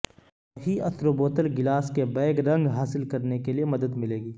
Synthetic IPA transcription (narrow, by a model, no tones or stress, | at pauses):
ɦiɐt̪ɾoːboːt̪əlɡɪlaːskebɛːɡɾɐ̃ŋɡɦaːsɪlkɐɾnekeliemɐd̪əd̪mɪleːɡiː